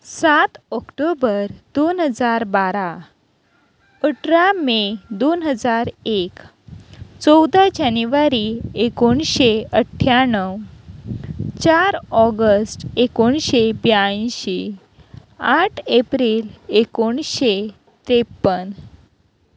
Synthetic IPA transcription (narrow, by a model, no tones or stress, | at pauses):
sat̪ɔkʈobəɾd̪onɦəd͡zaɾbaɾa | əʈɾamed̪onɦəd͡zaɾek | t͡sɔwd̪ad͡ʑanuʋaɾiekoɳɕeəʈʰːjanəw | t͡ɕaɾɔɡəsʈekoɳɕebjaĩɕe | aʈʰepɾilekoɳɕe | t̪ɾepːən